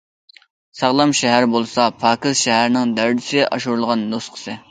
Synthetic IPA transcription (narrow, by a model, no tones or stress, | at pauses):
sɑʁlˠɑmʃɛɦæɾbolˠsɑpʰɑːkɨzʃɛɦæɾnɪŋd̪æɾd̪ɪsɪɡʲɛʔɑʃuɾulˠʁɑnːosqʰə̥sɨ